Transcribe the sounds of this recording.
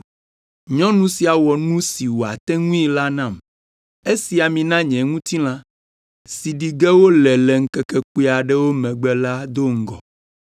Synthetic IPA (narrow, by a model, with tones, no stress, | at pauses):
ɲɔ̃˦nũ˦si˨a˨wɔ˨nũ˦si˨wo˨a˨t̪ɛ̃˦ŋũ˦i˦la˦nã˦˨m | e˦si˨a˨mĩ˨nã˦ɲɛ̃˨ŋũ˦t̪i˦l̃ã˦ | si˨ɖi˨ɡɛ˦wo˦lɛ˨lɛ˨ŋ̩˦kɛ˨kɛ˨ku˦i˦a˨ɖɛ˦wo˦mɛ̃˨ɡ͡bɛ˦la˦d̪o˦ŋ̩˦ɡɔ̰˨